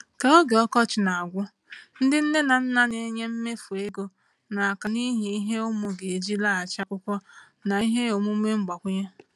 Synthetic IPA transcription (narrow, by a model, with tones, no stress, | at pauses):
ka˨o˦ɡe˨ɔ˦kɔ˦t͡ʃɪ˨na˨a˨ɡʷʊ˦ | n̩˦dɪ˦n̩˦ne˦na˨n̩˦na˦ne˦˨˦ɲe˦m̩˦me˦fu˨e˦ɡo˦ | na˨a˨ka˨ni˦ɦi˨i˦ɦe˦ʊ˦mʊ˨ɡe˨e˨d͡ʒi˦la˦˨a˨t͡ʃa˦kʷʊ˦kʷɔ˦ | na˨i˦ɦe˦o˨mʊ˦me˦ŋ͡m̩˦ɡ͡ba˨kʷʊ˦ɲa˦